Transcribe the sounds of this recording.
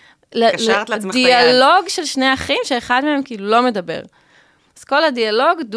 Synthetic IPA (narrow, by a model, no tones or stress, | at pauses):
letdialo̞ɡʃelʃne̞jaχimʃeːχadmeemkiːlulo̞me̞dabe̞̰ʁ | az̥ko̞ladialo̞ɡd